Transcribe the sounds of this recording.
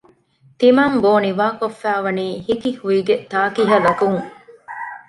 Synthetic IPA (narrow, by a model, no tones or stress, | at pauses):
t̪imɐmboːniʋaːkofːæːʋɐniːhikihuiɡet̪aːkiɦɐlɐkuŋ